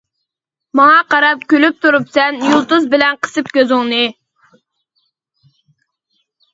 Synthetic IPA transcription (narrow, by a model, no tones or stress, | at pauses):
mɑŋɑqɑɾɑp̚kʲølyp̚t̪ʰuɾupsɛnjulˠt̪uzbɪlɛnqʰə̥sɨpkʲøzɪŋnɨ